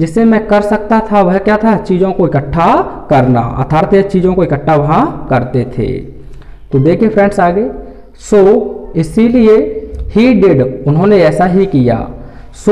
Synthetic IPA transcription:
d͡ʒɪsemɛ̃kəɾsək̚t̪at̪ʰaʋəɦkjat̪ʰat͡ʃiːd͡ʒõkoɪkəʈʰːakɐɾna̰ə̰t̪ʰaːɾt̪et͡ʃiːd͡ʒõkoɪkəʈʰːaʋɐɦãkɐɾt̪et̪ʰḛː | t̪od̪eːkʰiepʰɾɛ̃ːɳɖsaːɡe | soːɪsiliehiɖɪɖʊnɦõneɛːsaɦikija̰ː | so

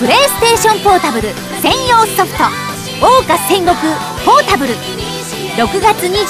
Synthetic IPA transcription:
pɯ̟ɾe̞ːsɨ̥t̪e̞ːɕõ̞mpo̞ːt̪abɯ̟ɾɯ̟ | sẽ̞ɰ̃jo̞ːsɨ̥soɸɯ̟̥t̪o | oːkḁẽ̞ŋɡo̞kɯ̟ | po̞ːt̪abɯ̟ɾɯ̟ | ɾo̞kɯ̟ɡat͡sɨɲ̟i

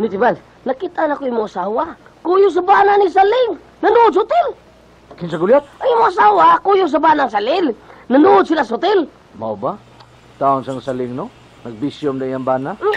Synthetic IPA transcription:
nit̪ibal | nakit̪aʔnakoimʊasawa | kujʊs̬abananis̬alɪŋ | nanuʔːd̪sʊt̪ɪl | kɪnsaɡʊljat̪̚ʔajmʊasawakujʊs̬abanaŋs̬alɪlnɐnuʔʊd̪̚silasʊt̪ɪl | ma̰wba | t̪aonsaŋsalɪŋno | nɐɡ̚bisjʊmd̪aijaŋbana

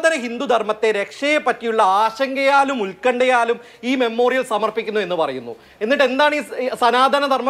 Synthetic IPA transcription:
d̪ʱɐnɐhind̪ud̪ʱɐrmɐt̪ːe̞ɾe̞kʂɐjepːɐtːijuɭːɐaːɕɐŋɡɐjaːlumulkɐɳɖɐjaːlum | iːme̞mːo̞ːrijɐlsɐmɐrpikʲːunːue̞nːɨpɐrɐ̰junːṵ | e̞nːiʈ̬ːe̞nd̪aːɳiːsɐnaːd̪ʱɐnɐd̪ʱɐrmɐ

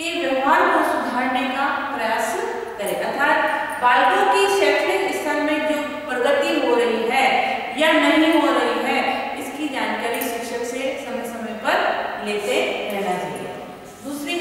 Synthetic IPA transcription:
keʋjɐʋɦaːɾkosʊd̪ʱaːɾnekapɾɐjaːs | kɐɾeːɡat̪ʰaːt̪ | baːlkõkiʃɛːkʰɾikɪsalmẽd͡ʒoː | pɾɐɡət̪iɦoɾɐɦiɦɛːjanɐɦĩɦoɾɐɦiɦɛːɪskid͡ʒaːnkaːɾiʃɪkʃəksesɐməjsɐməjpɐɾleːt̪eɾɛlad͡ʒa̰ːḭa̰ | d̪uːsɾi

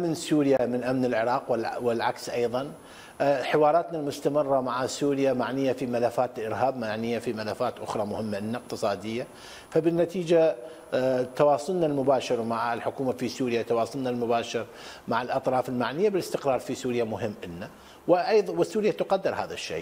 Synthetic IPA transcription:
mɪnsuːɾjamɪnʔamnɪlʕɪɾˤɑːqwɪwɪlʕaksʔɑjðˤɑn | ħɪwɑːɾˤɑːt̪nalmʊst̪amɨrˤːɑmaʕasuːɾjamaʕnɪjːafimalafːaːt̪ɪlʔɪɾɦaːbmaʕnɪjːafimalafːaːt̪ʔʊxɾˤɑmʊhɪmːaʔɪnːaq̚t̪ɨsˤɑːd̪ɪjːa | fabɪnːat̪iːd͡ʒa | t̪ɑwɑːsˤʊlnalmʊbaːʃɪɾmaʕɪlħʊkuːmafisuːɾjat̪ɑwɑːsˤʊlnalmʊbaːʃɪɾ | maʕɪlʔɑt̪ˤɾˤɑːfɪlmaʕnɪjːabɪlɪst̪ɪqɾˤɑːɾˤfisuːɾjamʊɦɪmːʔɪnːa | wɪʔjðwɪsːuːɾjat̪ʊqad̪ːɪɾˤhaːða̰ʃːḛː

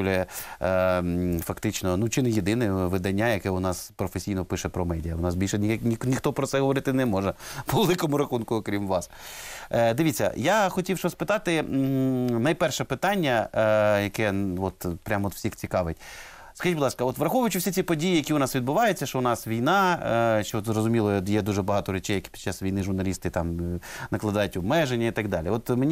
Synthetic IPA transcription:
lʲjɛ | fɐkt̪ɪt͡ʃnɔnut͡ʃɪnɛjed̪ɪnɛʋɪd̪ɐnʲːajɐkɛʊnɑspɾɔfesʲijnɔpɪʃɛpɾɔmɛdʲijɐʊnɑsbʲilʲʃɛnʲiixt̪ɔpɾɔt̪sɛɦɔʋɔɾɪt̪ɪnɛmɔʒɛpɔʋelˠɪkɔmʊɾɐxunkʊɔkɾʲimʋɑs | d̪ɪʋʲit͡sʲːɐ̰jaxɔtʲiwʃɔspɪt̪ɑt̪ɪ | nɐjpɛrʃɛpɪt̪ɑnʲːɐjɐkɛʋɔt̪pɾʲamɔt̪wsʲixt͡sʲikɑʋɪtʲ | skɐʒit̚ʲbʊd̪ˠɑskɐɔt̪ʋɾɐxɔʋʊjʊt͡ʃʊfsʲit͡sʲipɔdʲijijɐkʲiʊnɑsʋʲid̪̚bʊʋɑjet͡sʲːɐʃt͡ʃɔʊnɑsʋʲijnɑʃt͡ʃɔzrɔzʊmʲilˠɔjɛd̪uʒɛbɐɦɑt̪ɔɾet͡ʃɛjːɐkʲi̥pʲi̥d̥̪̚t͡ʃːasʋʲijnɪʒʊrnɐlʲist̪ɪt̪ɑmnɐklˠɐd̪ɑjʊtʲʊbmɛʒenʲːɐit̪ɐɡd̪ɑ̰lʲiɔt̪menʲi

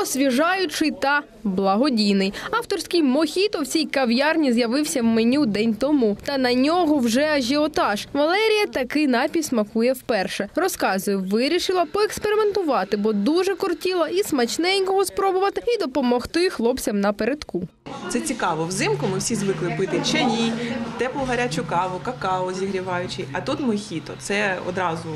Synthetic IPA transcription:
ɔsʲʋʲiʒɑjʊt͡ʃɪjt̪ɐ | blˠɐɦɔdʲijnɪjɑwt̪ɔrsʲkɪjmɔxʲit̪ɔwt͡sʲijkɐwjɑrnʲizjɐʋɪwsʲɐwmɪnʲud̪ɛnʲt̪ɔmut̪ɐnɐnʲɔɦɔwʒɛɐʒʲiɔt̪ɑʃʋɐlˠɛɾʲijɐt̪ɐkɪjnɑpʲismɐkujɛwpɛrʃɛɾɔskɑzʊjɛʋɪɾʲiʃɪlˠɐpɔekspeɾɪment̪ʊʋɑt̪ɪbɔd̪uʒɛkɔrtʲilˠɐismɐt͡ʃnɛjʲkɔɦɔspɾɔbʊʋɐt̪ɪid̪ɔpɔmɔxt̪ɪxlˠɔpt͡sʲɐmnɐpeɾed̪ku | t̪sɛt͡sʲikɑʋɔwzɪmkʊmɪwsʲizʋɪklˠɪpɪt̪ɪt͡ʃɛnʲit̪ɛplˠɔɦɐɾʲat͡ʃʊkɑʋʊkɐkɑɔzʲiɦɾʲiʋɑjʊt͡ʃɪjɐt̪ut̪mɔxʲit̪ɔt̪sɛɔ̰d̪ɾɑzʊ

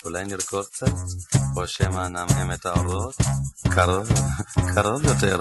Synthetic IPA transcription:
ulajniɾkoɾt͡septoʃemanamhemet̪aoɾot̪kʰaɾolkʰaɾoljoteɾ

